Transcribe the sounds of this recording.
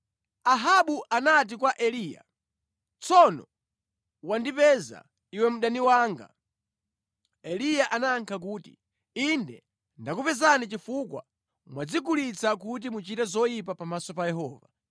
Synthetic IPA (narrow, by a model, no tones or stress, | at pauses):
aɦaɓuʔanat̬ikwaʔɛliːja̰ | t͡sɔnɔ̰ | wandipɛza̰ | iwɛmuɗaniwaːŋɡa̰ | ɛlijaʔanaŋkʰak̬uːti | indɛ | ndakupɛzanit͡ʃifukwa̰ | mwad͡zikulit͡sakut̬imut͡ʃitɛzɔjip̬apamasɔpajɛɦɔːva̰